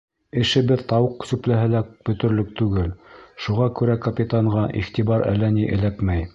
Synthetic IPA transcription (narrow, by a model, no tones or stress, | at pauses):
ɘ̆ʃɘ̆bɘðt̪ɑwɤqːsʉplæɦɘlæb̥ɵ̆t̪ɵ̆ɾlɵk̚t̪ʉɡɘlʃuʁɑkʉɾækɐpʲit̪aɴʁɑʔiχt̪ibɑɾʔæ̰lːæniʔɘ̆lækmæj